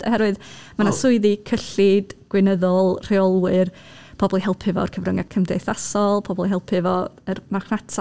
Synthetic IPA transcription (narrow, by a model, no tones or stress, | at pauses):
ɔhɛɾwɨðmanasʊɨðikʰəɬɪdɡ̥wɪnəðɔlˠr̥eɔlˠwɨr | pʰɔbɔlˠiɦɛlˠpʰɨvɔ̰ərkʰəvrəŋakʰəmdejθasɔlˠpʰɔbɔlˠiɦɛlˠpʰɨvɔərmaχnatʰa